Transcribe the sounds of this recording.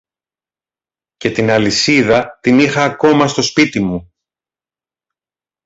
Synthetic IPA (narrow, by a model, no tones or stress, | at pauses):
ce̞t̪inɐlisiðɐt̪inixɐːko̞mɐst̪o̞spit̪imu